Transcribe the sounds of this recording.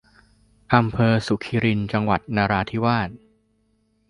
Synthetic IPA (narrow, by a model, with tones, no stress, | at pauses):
ʔa˧mpʰɤː˧su˨˩kʰiː˧ɾi˧nt͡ɕa˧ŋwa˨˩t̪̚naː˧ɾaː˧t̪ʰiː˦˥˩waː˥˩t̪̚